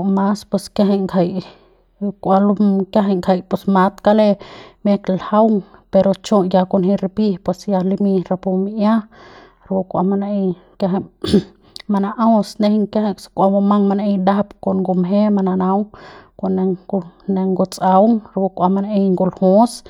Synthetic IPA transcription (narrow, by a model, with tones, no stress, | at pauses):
ma˦spwe˧skja˦ɦe˧ŋkʰa˧j | kʷa˧lukja˦ɦe˧ŋkʰa˧jpe˨sma˧˦t̪ka˦le˧me˦klha˦wŋpe˧ɾo˧t͡ʃõ˦˧ja˧ko˧nhi˧ɾi˧pi˧pwe˧sja˧li˧mi˧ɾa˧pu˧mi˧ja˦ | ɾbu˧kʷa̰˧ma˧na˧ | ka˧ɦ | ma˧na˧ʔa˦wsne˧hŋka˦ɦa˧skʷa˧bo˧ma˦ŋma˧na˧ʔe˧jd̪a˦pko˨nɡu˧mɦe˦ma˧na˧na˧˦wko˧˨ne˧ne˧ŋɡu˧t͡sʼa˧wŋɾbu˧kʷa˧ma˧naʔe˧jŋɡu˧˨lhũ˦s